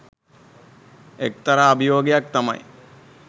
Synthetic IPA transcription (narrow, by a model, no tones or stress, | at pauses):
ek̚t̪ɐɾaːbijoːɡejak̚t̪amɐ̰j